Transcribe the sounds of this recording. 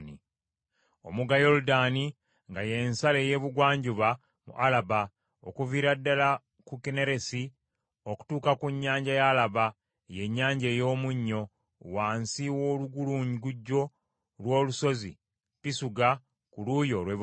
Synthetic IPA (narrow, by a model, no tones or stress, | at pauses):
ni | o̞̰muɡajo̞ludani | ŋɡaje̞nsale̞ːje̞ːβuɡwaːɲɟuβa | mṵʔalaβa | o̰kuviːɾadːala | kukene̞ɾe̞si | o̞ku̥tuːkakuɲːaːɲɟajalaβa | je̞ɲːaːɲɟeːjo̞ːmuɲːo̞ | waːnsiwo̞ːluɡuluːɲiɡuɟːo̞ | lwo̞ːluso̞zḭ | pisuɡa | kulujo̞lweβ